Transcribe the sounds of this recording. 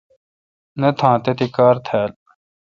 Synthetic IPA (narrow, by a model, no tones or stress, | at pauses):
net̪ʰãːt̪et̪ikaːɾt̪ʰɛːl